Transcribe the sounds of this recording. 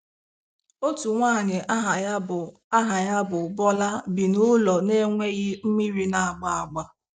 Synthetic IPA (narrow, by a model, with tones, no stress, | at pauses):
o˦tu˨ŋʷaː˦˨ɲɪ˨ʔa˦ɦa˨˦˨ | a˦ɦa˨ɲa˦bʊ˨bɔ˦la˦bi˨nʊ˦lɔ˨ne˦ŋʷe˦ɣi˦m̩˦mi˦ɾi˦na˨a˨ɡ͡ba˨a˨ɡ͡ba˨